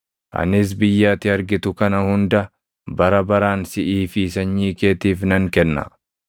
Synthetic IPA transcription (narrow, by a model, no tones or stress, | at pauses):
ʔɐ̰nɪs̬bɪjːaːt̪ɪɐɾɡɪt̪ʊkɐnɐhʊnd̪ɐ | bɐɾɐbɐɾaːnsɪʔiːfiːsɐɲːiːke̞ːt̪iːfnɐŋkɛnːɐ̰